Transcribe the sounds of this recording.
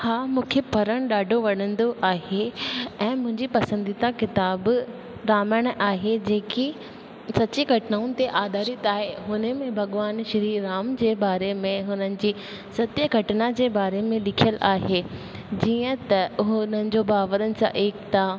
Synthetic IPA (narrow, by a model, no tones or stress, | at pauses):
haːmũːkʰepɐɾəɽ̃ɗaːɖʱoʋɐɽə̃nd̪oʔaːɦeɛ̃ːmʊ̃ɦɪ̃ɲd͡ʑipɐsə̃nd̪it̪akɪt̪aːb | ɾaːməɽ̃ʔaːɦed͡ʑeːki | sɐtiɡʱɐʈɪnaːʊnɪ̆t̪eʔaːd̪ʱaːɾit̪aːɦeɦʊnəmẽbʱɐɠʋaːnʃɪɾiːɾaːmd͡ʑeːbaːɾemẽɦʊnənɪ̆d͡ʑiː | sɐt̪jəɡʱɐʈɪnad͡ʑeːbaːɾemẽlɪkʰijəlʔaːɦe | d͡ʑiːə̃t̪ɐʊɦʊnənɪ̆d͡ʑobaːʋəɾənɪ̆sã̰ʔeːkt̪a